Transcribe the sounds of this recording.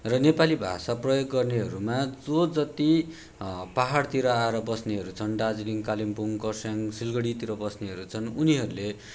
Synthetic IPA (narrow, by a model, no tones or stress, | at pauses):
rʌnepalibʱa̰saprʌjoɡːʌrneɦʌɾumad͡zod͡zʌt̪i | paɦaɽt̪iɾʌaeɾʌbʌsneɦʌɾut͡sʰʌnɖad͡zliŋkalimpuŋkʌrsjaŋsilɡʌɽit̪iɾʌbʌsneɦʌɾut͡sʰʌnuniɦʌɾule